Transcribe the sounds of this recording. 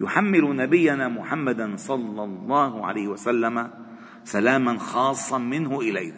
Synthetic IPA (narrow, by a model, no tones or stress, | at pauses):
jʊħamːɪlʊnabɪjːanamʊħamːad̪ansˤɑlːɑlˤːɑːhʕa̰lajhɪwasalːama | salaːmanxɑːsˤːɑmɪnhʊʔɪlaj